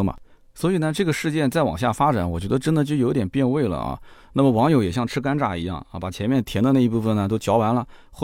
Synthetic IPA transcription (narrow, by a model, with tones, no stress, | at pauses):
mɐ̰˨˩ | swɔ˧˥i˨˩nə˧ʈ͡ʂɤ˥˩ɡə˩ʂɻ̩˥˧t͡ɕjɛ˥˧nt͡sa˥˩ɪwɑ̰˨˩ŋɕja˥˩fa˥ʈ͡ʂa˨˧˥nwɔ˨˩t͡ɕɥɛ˧˥d̪ə˧ʈ͡ʂə˥nd̪ə˨t͡ɕjʊjo˧˥ʊ˥t̪jɛ˨˩pjɛ˥˧nwe˥˩ɪlə̰˩ɐ̰˧na˥˩mə˩wɑ˧˥ŋjo˧˥ʊjɛ˨˩ɕjɑ˥˩ŋʈ͡ʂʰɻ̩˥ka˥nʈ͡ʂa˥˩ḭ˧˥jɑ̰˥˩ŋ˧˩pa˨˩t͡ɕʰjɛ˧˥mjɛ˥˩nt̪ʰjɛ˧˥nd̪ə˧na˥˧i˧˥pu˥˩fə˨˩nə˩t̪o˥ʊt͡ɕjɑ˧˥ʊwa˧˥nlə˧x